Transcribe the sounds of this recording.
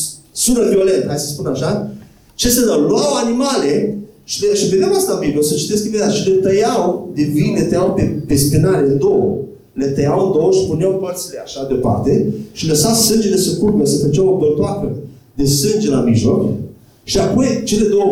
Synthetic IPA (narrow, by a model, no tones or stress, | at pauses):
sunəvio̞le̞nt̪hajsəspunaʃa | t͡ʃe̞sənawluawanimaleʃi̥leʃived̪eawast̪abiblosət͡ʃi̥t̪es̬knimed̪at̪ʃilet̪əjawd̪evilet̪əjawpepespinaleɨnd̪owə | let̪əjawɨnd̪owəʃipuneawpərt̪sile̞aʃad̪epa̰rt̪e̞ʃiləsawsɨnd͡ʒelesəkupəsəfət͡ʃawobəlt̪oakə | d̪e̞sɨnd͡ʒelamiʒlo̞k | ʃiapojt͡ʃe̞le̞d̪owə